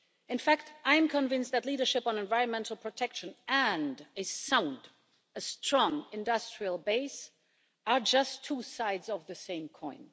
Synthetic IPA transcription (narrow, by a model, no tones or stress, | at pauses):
ɨ̃nfæk̚tãɪ̃mkʰə̃nvɪ̃nst̚ðɨtˡliɾə˞ʃɪpn̩ɛ̃nvaɪɹə̃nmɛ̃ntʰl̩ˠpʰɹ̥ɨtʰɛkʃɨ̃nɨ̃ndɨsãʊ̃nd | ɨstɹ̥ɔ̃ŋɪ̃ndʌstɹ̥iəlˠbeɪs | ə˞d͡ʒʌstʰːusaɪdzʌvðɨsẽɪ̃mkʰɔ̃ɪ̃n